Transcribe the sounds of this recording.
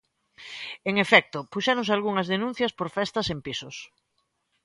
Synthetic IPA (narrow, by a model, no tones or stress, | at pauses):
eŋefɛk̚t̪ʊpuʃɛɾõns̬alɣuŋɐzðenũn̟θjɐspoɾfɛst̪ɐsempisʊs